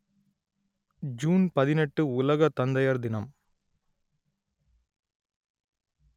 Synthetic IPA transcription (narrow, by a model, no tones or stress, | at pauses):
d͡ʒuːnpɐðɪnɛʈːɯʊlɐɣɐt̪ːɐnd̪ɐjɐɾd̪ɪnɐm